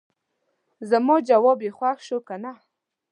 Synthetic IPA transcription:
zamɔd͡ʒawɔbjexwaxʃokana

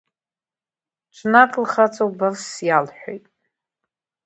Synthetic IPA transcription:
ʈ͡ʂʷʰʼnakʼlχat͡sʼowbarsjalħʷᶣo̰jtʼ

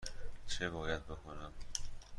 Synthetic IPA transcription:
t͡ʃʰeβɒːjæd̪̚be̞kʰonæm

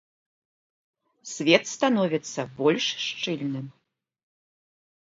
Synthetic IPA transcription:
sʲvʲɛt̪st̪anɔvʲɛt̪sːɐbɔlʲʂʂt͡ʂɨlʲnɨm

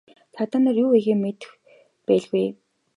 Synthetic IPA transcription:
sʰat̪ăːnărjuːeɣeːmet̪ɘ̆x | pæːɮɣuj

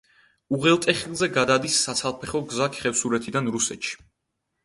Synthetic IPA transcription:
uʁɛlˠt̪ʼɛχilˠzɛɡad̪ad̪isːat̪sʰalˠpʰɛχɔɡzakʰχɛfsuɾɛt̪ʰid̪anɾusɛt̪ʃi̥

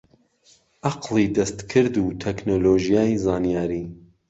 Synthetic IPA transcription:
ʔɑqlˠid̪ɐst̪kʰɨɾd̪uːt̪ʰɛknoːloːʒijaːjzaːnijaːɾiː

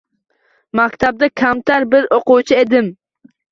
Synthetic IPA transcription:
makʲt̪ʰab̚d̪akʲʰamt̪ʰaɾbɪɾoqʊwt͡ʃʰɪed̪ɪm

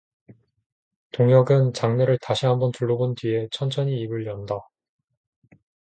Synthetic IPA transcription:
toŋjʌɡɯnt͡ɕaŋneɾɯɭtaɕʰiɦambʌntuɭːobontɥie̞t͡ɕʰʌnt͡ɕʰʌɲiːbɯɭjʌnda

